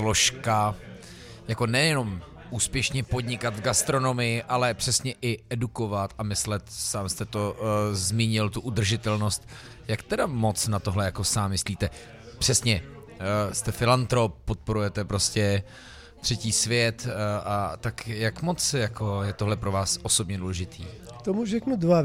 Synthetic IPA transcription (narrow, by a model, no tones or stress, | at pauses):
lo̞ʃka | jako̞nɛjɛno̞m | ʔuːspjɛʃɲɛpo̞d̪ɲɪkad̪vɡast̪ɾo̞no̞mɪjɪʔalɛpr̝̥ɛsɲɛʔɪɛduko̞vat̪amɪslɛt̪saːmst̪ɛt̪o̞zmiːɲɪlt̪uʔud̪r̩ʒɪt̪ɛlno̞st̪ | jakt̪ɛdamo̞t͡snat̪oɦlɛjako̞saːmːɪsliːt̪ɛ | pr̝̥ɛsɲɛ | st̪ɛfɪlant̪ɾop̚ːot̪̚po̞ɾujɛt̪ɛpɾo̞scɛ | t̪r̥ɛciːsvjɛt̪ʔat̪akjakmo̞t͡sjakʰo̞jɛt̪oɦlɛpɾo̞vaːsʔoso̞bɲɛduːlɛʒɪt̪ʰḭː | kt̪omuʒɛknudva